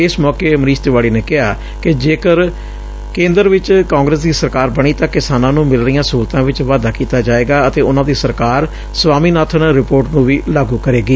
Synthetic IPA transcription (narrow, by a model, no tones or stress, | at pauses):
ɪsmɔːkeːməɾiːst̪ʋaːɽiːneːkɪɦaː | kɪd͡ʒeːkəɾ | kẽːnd̪əɾʋɪt͡ʃkãːŋɡɾəsd̪iːsəɾkaːɾbəɽ̃iːt̪ãːkɪsaːnãːnũːmɪlɾəɪjãːsuːɾt̪ãːʋɪt͡ʃʋaːd̪aːkiːt̪aːd͡ʒaːeːɡaːət̪eːʊnãːd̪iːsəɾkaːɾ | sʋaːmiːnaːt̪ʰənɾɪpoːɾʈnũːʋiːlaːɡuːkəɾeːɡiː